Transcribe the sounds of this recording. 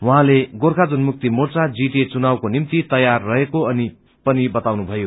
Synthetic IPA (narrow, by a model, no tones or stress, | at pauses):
wʌɦãleɡorkʰad͡zunmuk̚t̪imort͡sad͡ziʈet͡sunawkonimt̪it̪ʌjarːʌɦekoʌni | pʌnibʌt̪awnubʱʌjo